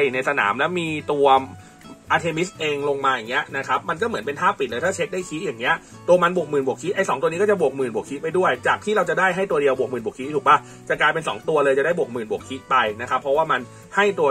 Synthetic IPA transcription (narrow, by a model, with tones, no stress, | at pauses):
na˧jsa˧na̰ː˩˦mlɛ˦˥wmiː˧t̪u˧ɐ | ʔaː˧t̪ʰeː˧mi˦˥sʔeː˧ŋlo˧ŋmaː˧jaː˨˩ŋːi˦˥ɐʔna˦˥kʰa˦˥p̚ma˧nk̬ɔː˥˩mɯ˩˦npe˧nt̪ʰaː˥˩pi˨˩lɤː˧jt̪ʰaː˥˩t͡ɕʰe˦˥t̪̚daː˥˩jkʰi˦˥ʔjaː˨˩ŋːi˦˥ɐʔ | t̪u˧ɐma˧nbu˨˩k̚mɯː˨˩nbu˨˩əkʰi˦˥ʔa˧jsɔː˩˦ŋt̪u˧niː˦˥kːɔ˥˩a˨˩bu˨˩ək̚mɯː˨˩nbu˨˩kʰi˦˥pa˧jdu˥˩əjt͡ɕaː˨˩k̚t̪ʰiː˥˩ɾa˧wt͡ɕa˨˩daː˥˩jɦa˥˩jt̪u˧ɐdi˧əwbu˨˩k̚mɯː˨˩bu˨˩k̪ʰːt̪ʰuː˨˩k̚pa˧˩ | t͡ɕa˨˩klaː˧jpe˧nsɔ̰ː˩˦ŋt̪u˧ɐlɤː˧jt͡ɕa˨˩daː˥˩jbu˨˩ək̚mɯː˨˩nbu˨˩əkʰi˦˥ʔpa˧jna˦˥kʰa˦˥pʰːɔ˦˥waː˥˩ma˧n | ha˥˩jt̪u˧